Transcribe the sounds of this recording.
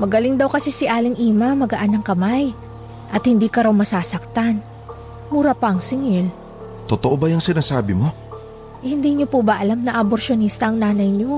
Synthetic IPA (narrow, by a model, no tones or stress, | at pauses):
mɐɡɐlɪŋd̪ɐwkɐsɛsɪʔaːlɪŋʔiːmɐmɐɡɐʔanːɐŋkɐmaj | ʔɐt̪hɪnd̪iːkɐɾawmɐsaːsɐk̚t̪an | muːɾɐpɐʔɐŋsɪŋɪl | t̪ot̪oʔobɐjɐŋsɪnaːsaːbɪmo̞ | ʔhɪnd̪iːɲopubɐʔɐlamnɐʔɐboɾʃonist̪ɐʔɐŋnaːnɐjɲo